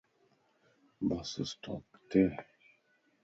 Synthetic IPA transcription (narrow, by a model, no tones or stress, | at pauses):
basəstʰɔ̰kt̪ɛ